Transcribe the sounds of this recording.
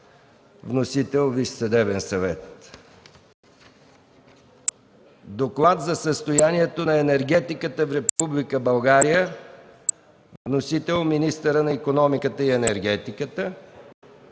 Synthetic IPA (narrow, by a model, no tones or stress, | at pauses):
vnosit̪ɛlˠviʃsɐd̪ɛbɛnsɐvɛt̪ | d̪oklˠat̪zɐsəst̪ojaniɛt̪onɐɛnɛɾɡɛt̪ikət̪əfɾɛpublʲikəbɐlˠɡaɾijə | vnosit̪ɛlˠminist̪əɾənɐikonɔmikət̪əiɛnɛɾɡɛt̪ikət̪ə